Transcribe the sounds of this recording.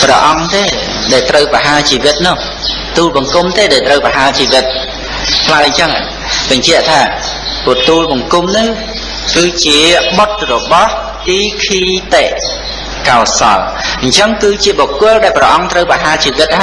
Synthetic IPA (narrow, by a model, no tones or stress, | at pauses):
prɑ̰ʔɑŋt̪eː | ɗaɛlt̪rəwpraɦaːt͡ɕiːʋɨt̪̚nʊ̆h | t̪uːlɓɑŋkumt̪eːɗaɛlt̪rəwpaɦaət͡ɕiːʋɨt̪̚ | pʰlaəɲt͡ɕəŋa̰ | ɓɑɲt͡ɕɛ̆əʔt̪ʰaː | pʊət̪uːlɓɑŋkumnɨ | kɨːt͡ɕiəɓot̪̚rɔɓɑh | t̪iːkʰiːt̪eʔ | kaɔsɑ̰l | ɲt͡ɕəŋkɨːt͡ɕiəɓokʊəlɗaɛlprɑʔɑŋt̪rəwpaɦaːt͡ɕiːʋɨt̪̚ha